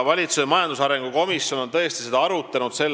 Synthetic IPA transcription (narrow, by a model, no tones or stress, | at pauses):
vɑlʲit̪susemɑjɑnd̪usɑɾe̞ŋɡ̥uko̞misjo̞no̞nt̪ɤ̞est̪ise̞d̪ɑɑɾut̪ːˑɑnud̪̥se̞lː